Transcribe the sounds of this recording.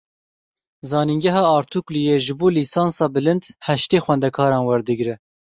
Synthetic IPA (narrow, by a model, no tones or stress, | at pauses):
zɑːniŋɡɛɦɑːɑːɾt̪ʰuklijeʒɨboːliːsɑːnsɑːbɨlɨnd̪hɛʃt̪eːxwɛnd̪ɛkʰɑːɾɑːnwɛɾd̪ɨɡɾɪ